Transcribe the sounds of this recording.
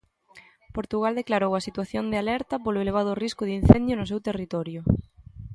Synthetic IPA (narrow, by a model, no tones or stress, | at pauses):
poɾt̪uɣald̪eklaɾowɐsit̪waθjond̪ealɛɾt̪ɐpolʊeleβ̞að̞ʊriskʊðin̟θɛnd̪jʊnʊsewt̪erit̪ɔɾjʊ